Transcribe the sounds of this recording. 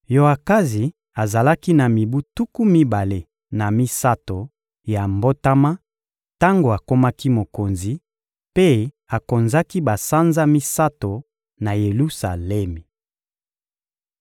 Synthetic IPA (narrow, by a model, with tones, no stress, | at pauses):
jo˨a˨ka˦zi˨ | a˨za˨la˦ki˦na˨mi˨bu˦tu˦ku˦mi˦ba˨le˨ | na˨mi˦sa˦to˨ | ja˨mbo˦ta˦ma˦ | ta˦ŋɡo˨a˨ko˦ma˦ki˦mo˨ko˨nzi˨ | pe˦ | a˨ko˨nza˦ki˦ba˨sa˦nza˦mi˦sa˦to˨ | na˨je˨lu˦sa˨lɛ˦mi˨